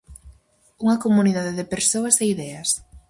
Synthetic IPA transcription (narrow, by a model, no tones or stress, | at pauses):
uŋɐkomuniðað̞eðɪpeɾsoasɛiðɛas